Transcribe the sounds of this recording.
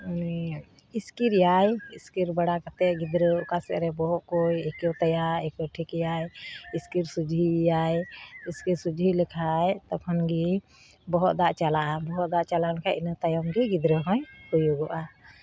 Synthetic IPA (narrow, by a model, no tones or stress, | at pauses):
iskiɾjajiskiɾbaɽakat̪ɛʔɡid̪ɾəkasɛʔɾɛbɔɦɔʔkɔjɛkewt̪ajaɾɛkɔʈʰikjajiskiɾsud͡ʒɦijajiskiɾsud͡ʒɦiləkʰajt̪apʰɔnɡi | bɔɦɔʔ̪d̪aʔt͡ʃalaʔabɔɦɔt̪̚d̪aʔt͡ʃalankʰaʔinət̪ajɔmɡiɡid̪ɾəɦɔ̃jhujuɡɔʔa